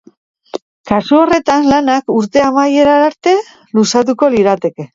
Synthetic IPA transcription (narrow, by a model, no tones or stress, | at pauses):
kasuo̞re̞t̪anlanakuɾt̪e̞amaje̞ɾaaɾt̪e̞ | lusat̪̬uko̞liɾat̪e̞ke̞